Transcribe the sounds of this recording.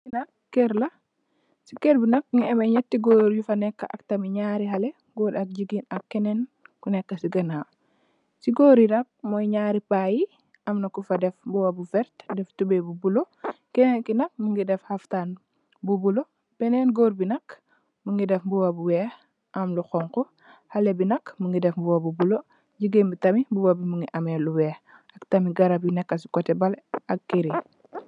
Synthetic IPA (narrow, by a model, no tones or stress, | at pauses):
kinɐkːɛɾlɐ | sikeɾbinɐk̚ŋiɛmɐɲɛtːiɡoɾjufɐnɛkːaʔɐ̰ktɐmiɲaːɾiɦɐle | ɡodak̚ɟiɡinɐkːɛnɛnkunɛkːɐsiɡɐna | siɡoːɾiɾak̚mɔjɲaɾipaːji | ɐmnɐkufɐdɛfbuwabufɛɾtdɛftubebubulo | kɛnekinɐk̚muŋɡidɛfhaftaːn | bubulo | pɛnɛnɡoːɾbinɐk | muŋɡidɛfbuwɐbuwɛːx | ʔɐmluxɔŋko | halebinɐkmuŋɡidɛfbuwɐbubulo | ɟiɡembitɐmibuwabimuŋɡiʔɐmeluwɛːx | ɐktɐmiɡɐɾɐbjunɛkːɐsi̥kɔtɛbɐlɐk̚ːiɾi